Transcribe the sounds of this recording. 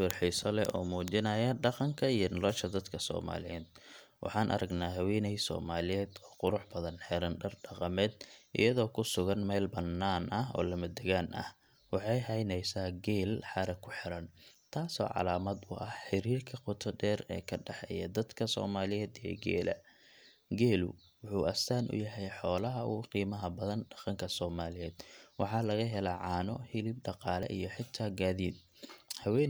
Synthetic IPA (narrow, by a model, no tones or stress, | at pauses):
wɑrħisɔlɛ̰ɔ̰ːmuːt͡ʃɪnɐjɐɖɑqɑŋkʰɐijɞnɔlɔʃɐd̪ɐd̪kʰɐsɔ̰ːma̰ːlɪjɛːd̪̥̚wʔɑ̰ħɑːnʔɐ̰ɾɐɡnaːɦɐwɛːnɛjsɔ̰ːmaːlɪjɛːd̪ɔːqʊɾʊħbɐðɐnħɛɾɐnɖɐrɖɑqɑmɛːd̪ʔɪ̰jɐðɔːkʰʊsʊɣɐnmɛːlbɐnːaːnʔɐɦɔ̰ːlɐmɐd̪ɛɣaːnʔɐ̰h | wɑħɑjɦɐjnɛjsaːɡɛːlħɑɾɐkʰʊħɪɾɐnt̪ʰaːsɔ̰ːʕɑ̰laːmɐd̪ʊʔɐhħɪɾiːrkʰɐqʊt̪ʰɔd̪ɛːrɛ̰ːkʰɐɖɛħɛjɐd̪ɐd̪kʰɐsɔ̰ːmaːlɪjɛːd̪ijɔ̰ɡɛ̰ːlʔɐ̰ | ɡɛːlʊ̰ | wʊħuːʔɐst̪aːnʔʊ̰jɐɦɛjħɔːlɐɦɐʊqiːmɐɦɐbɐðɐnɖɑ̥qɑŋkʰɐsɔːmaːlɪjɛːd̪̥wɑħɑːlɐɣɐɦɛlɐʕɑːnɔhɪlɪb̚ɖɑqɑːlɛ̰ʔijɞħɪt̪ʰaːɡaːðiːd̪̚ | hɐwɛ